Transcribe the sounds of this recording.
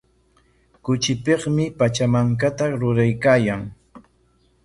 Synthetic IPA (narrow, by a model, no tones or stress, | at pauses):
kʊt͡ʃɪpeχmɪpat͡ʃamaŋk̬at̪aɾʊɾajkaːjaŋ